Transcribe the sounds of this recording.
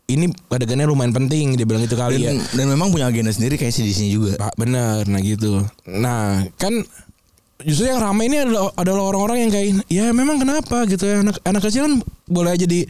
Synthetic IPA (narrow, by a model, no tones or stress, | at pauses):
inikadakənɲalumaɪnpənt̪̬ɪŋdibilaŋɡit̪ukaldijandanmemaŋpuɲaɡenasəndiɾikajasidisiɲad͡ʒuɡapabənərnahɡit̪̬unahkan | d͡ʒust̪ɾujaŋramainiadalaːdalaɦoɾaŋoɾaŋjaŋkainjamemaŋkənapaɡit̪uanakanakːəsilanbolɛɦad͡ʒadi